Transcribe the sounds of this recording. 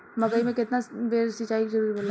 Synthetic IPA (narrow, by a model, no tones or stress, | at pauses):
mɐɡaimẽkɪt̪nabeːɾsit͡ʃaːikizɐɾuːɾiboːla